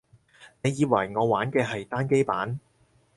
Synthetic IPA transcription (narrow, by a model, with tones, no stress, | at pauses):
ne˨˧jiː˨˧wɐ˨˩jŋɔː˨˧waː˨˥nkɛː˧ɦɐ˨jt̪aː˥nke˥jpaː˨˥n